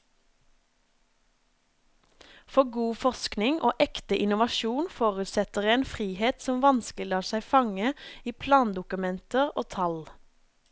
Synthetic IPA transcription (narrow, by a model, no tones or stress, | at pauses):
fɔɡuːfɔʁsknɪŋʔo̰ːʔɛkt̪əʔɪnʊʋɑʃuːnfoːʁʉt̪sɛt̪əʁeːnfʁiːheːt̪sɔmʋɑnsklɪlɑːsæɪfɑŋəiːpʰlɑːnd̪ʊkʉmɛnt̪əʁoːt̪ʰɑl